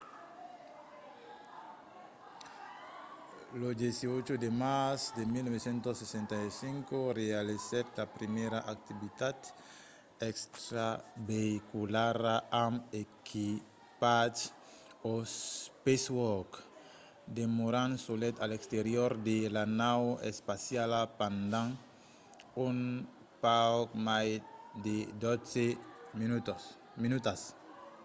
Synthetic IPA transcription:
lod̪esiot͡ʃod̪emasd̪emilnɔβesẽnt̪osesẽnt̪ajsĩŋkorealesɛt̪apɾimeɾaʔak̚t̪iβit̪ad̪ | ɛkst̪ɾabeikulaɾaamekʰi | pad͡ʒ | ospeswɔɾk | d̪emoɾãnsolɛt̪alekst̪eɾjoɾd̪elanawḛspasjalapãnd̪ãŋ | uŋ | pawkmajd̪ed̪ɔseminut̪ | minut̪as

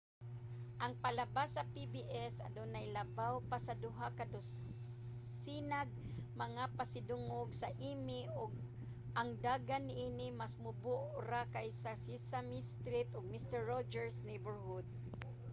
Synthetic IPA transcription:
ʔɐŋpalɐbasɐpibiʔɛsɐ̰d̪onajlɐbawpasɐd̪ʊɦakad̪ʊs | sinaɡ̚mɐŋapasɪd̪ʊŋoɡsɐʔiːmɪʔʊɡ̚ | ʔaŋd̪aːɡanɪʔiːnɪmasmʊbʊʔɾakajsɐsisamɪst̪ɾɪt̪ʊɡ̚mɪst̪ɛɹːod͡ʒɛɹsnejbɛɹhʊd̪̚

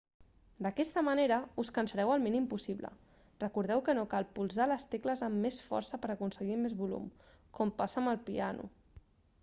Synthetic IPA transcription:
d̪əkɛst̪əməneɾəuskənsəɾɛwəlˠminimpusiβlə̰ | rəkuɾð̞ɛwkənokalˠpulˠzaləst̪ekləzəmːesfɔ̰ɾsəpəɾəkunsəɣimezβulṵm | kɔmpasəːməlˠpianṵ

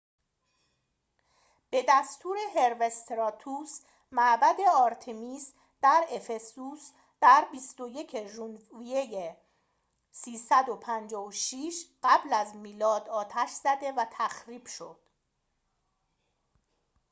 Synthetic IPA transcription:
b̥e̞d̪æst̪ʰuːɾe̞ɦe̞ɾve̞st̪ɾɒːt̪ʰuːs | mæʔbæd̪e̞ɒːɾt̪ʰemiːs | d̪̥æɾe̞fe̞suːs | d̪̥æɾbist̪o̞je̞cʰeʒunvvijeje | siːsæd̪o̞pʰænd͡ʒɒːvoʃiːʃɢ̥æblæzmiːlɒːd̪ɒːt̪ʰæʃz̥æd̪e̞væt̪ʰæxɾiːb̥ʃo̞̰d̪̥

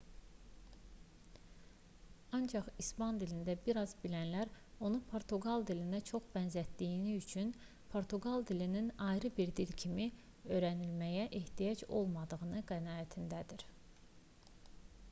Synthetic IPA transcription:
ɑnd͡ʒɑχispɑnd̪ilind̪æbiɾɑzbilænlæɾo̞nupʰo̞ɾt̪ʰuɡɑlˠd̪ilind̪æt͡ʃʰo̞χbænzæt̪d̪ijiniyt͡ʃʰyn | pʰo̞ɾt̪ʰuɡɑlˠd̪ilininɑjɾɯbiɾd̪ilcʰimi | ø̞jɾænilmæjæʔe̞ht̪ʰijɑd͡ʒo̞̰lˠmɑd̪ɯɣɯnɯɡænɑːæt̪ʰind̪æd̪iɾ

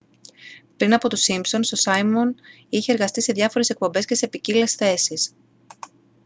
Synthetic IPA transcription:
pɾinɐpo̞t̪osimpso̞nst̪o̞sɐjmon | içe̞ːɾɣɐst̪ise̞ðʝɐfo̞ɾese̞k̚po̞mbe̞sce̞se̞picile̞sθe̞sis

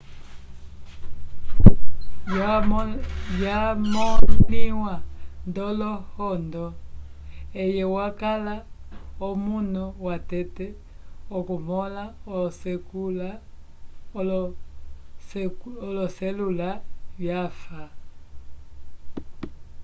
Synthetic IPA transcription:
jjamɔliwandɔlɔhɔndɔ | ɛjɛwakalaɔmunuwatɛtɛ | ɔkumɔlaɔsɛkula | l | lɔsɛlulaβjafa

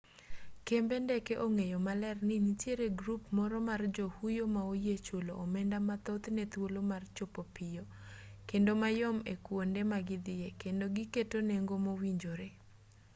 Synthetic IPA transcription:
kembendɛkeʔoŋejomalɛrnɪnitjeɾeɡɾupmɔɾɔmard͡ʒohujomaojet͡ʃoloʔːmɛndamat̪ot̪nɛt̪wolomart͡ʃopopɪjo | kendomajɔmekwondɛmaɡɪd̪ɪjekendoɡiketoneŋɡomowiɲd͡ʒoɾe

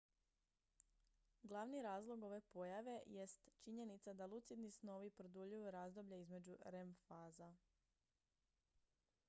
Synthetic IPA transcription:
ɡlˠaʋniɾaːzlˠo̞ɡo̞ʋe̞po̞jaʋe̞je̞st̪t͡ʃiɲe̞nit̪sad̪alˠut̪sid̪nisno̞ʋipɾod̪uʎujuɾaːzd̪o̞bʎeizme̞d͡ʑuɾemfaːza

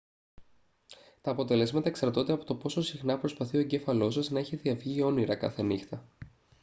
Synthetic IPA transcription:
t̪ɐːpo̞t̪e̞le̞zmɐt̪ɐeksɐɾt̪o̞nd̪e̞ɐpo̞t̪o̞po̞so̞sixnɐpɾo̞spɐθio̞eɟe̞fɐlo̞sɐznɐeçeðiɐvʝio̞niɾɐkɐ̰θenixt̪ɐ

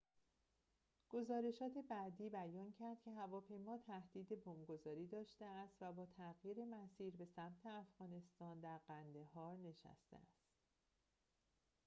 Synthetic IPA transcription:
ɡ̥o̞zɒːɾe̞ʃɒːt̪ʰe̞bæd̪iːbæjɒːncʰæɾd̪̥cʰe̞ɦævɒːpʰe̞jmɒːt̪ʰæhd̪̥iːd̪e̞bomɡo̞zɒːɾiːd̪ɒːʃt̪e̞æst̪væbɒːt̪ʰæɣjiːɾe̞mæsiːɾbe̞sæmt̪ʰeæfɣ̥ɒːne̞st̪ɒːnd̪æɾɢænd̪e̞ɦɒːɾne̞ʃæ̰st̪ḛæst̪

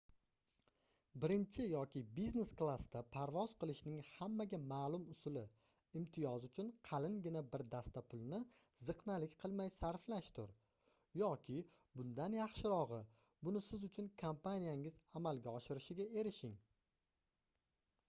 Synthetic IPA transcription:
bɪɾɪnt͡ʃʰɪjɒkʲɪbizne̞sklˠast̪apʰaɾvɒz̥qɨlˠɪʃnɪŋhamːaɡʲamaːlˠʊmʊsʊlɪ | ɪmt̪ʰɪjɒzʊt͡ʃʰʊnqʰɑlɪnɡʲɪnabɪɾd̪ast̪apʰʊlˠnɪ | zɨqnalɪkʲqʰɨlˠmajsaɾflaʃt̪ʰʊɾ | jɒkʲʰɪ | bʊnd̪anjɑχʃɪɾɒʁɨ | bʊnɪsɪzʊt͡ʃʰʊnkʰampʰanijaŋɪzamalɡʲaɒʃɪɾɪʃɪɡʲae̞ɾɪʃɪŋ

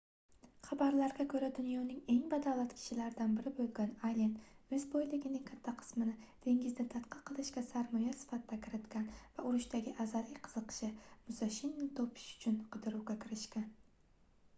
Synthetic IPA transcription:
χabaɾlaɾɡʲakʰɵɾad̪ʊnjɒnɪŋe̞ŋbad̪awlˠat̪kʲʰɪ̥ʃɪlaɾɪd̪anbɪɾɪbolˠɡʲanalʲenɵzbojlɪɡʲɪnɪŋkʲʰat̪ʰːaqʰɨ̥smɪnɪd̪̥ʰe̞ŋɡʲɪznɪt̪ʰat̪qʰɑqʰɨlˠɪʃkʲasaɾmɒjasɪ̥fat̪ʰɪd̪akʲʰɪɾɪt̪kʲanvaʊɾʊʃt̪aɡʲɪʔazalɪkʲqʰɨ̥zɨqʃɪmʊsaʃɪnːɪt̪ʰopʰɪ̥ʃʊ̥t͡ʃʰʊnqʰɨd̪ɪɾuwɡʲakʲʰɪɾɪʃkʲan

